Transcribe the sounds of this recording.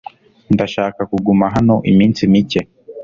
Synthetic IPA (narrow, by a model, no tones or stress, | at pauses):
ndaʃaːkakuɡumaɦano̞ʔimiːnsimice̞